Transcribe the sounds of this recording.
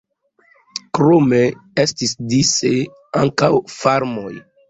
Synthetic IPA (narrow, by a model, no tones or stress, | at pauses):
kɾomeestisdise | aŋkawfaɾmo̞j